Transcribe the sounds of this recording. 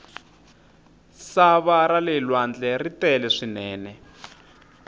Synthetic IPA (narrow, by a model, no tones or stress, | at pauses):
saβaɾalɛlwand͡ɮɛritɛlɛʂinɛːnɛ